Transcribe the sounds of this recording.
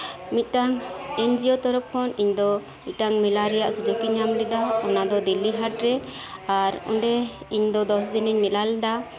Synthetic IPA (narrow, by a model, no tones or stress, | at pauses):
mit̪̚ˀʈaŋɛnd͡ʒiɔt̪ɔɾɔp̚kʰɔniɲd̪ɔ | mit̪̚ʈaŋmilaɾɛjaʔsud͡ʒukiɲamlɛd̪aɔnad̪ɔd̪ilːiɦaʈ̚ɾɛ | aɾɔ̰ɳɖɛ | iɲd̪ɔd̪ɔsd̪iniɲmilalɛd̪a